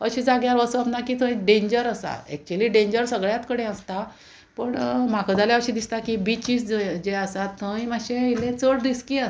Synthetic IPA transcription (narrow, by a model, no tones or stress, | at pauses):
əɕiːd͡zaɡjaɾʋəsapnakiːt̪ʰə̃ĩɖẽɲd͡ʑəɾəsa̰ḛk̚t͡ɕuəliːɖẽɲd͡ʑəɾsəɡɭjat̪kəɽẽəst̪a | pəɳmakʰəd͡zaljaəɕiːd̪ist̪akibit͡ɕisd͡zəd͡ʑeəsat̪ʰːəĩmaɕẽilẽt͡soɽd̪iskiːə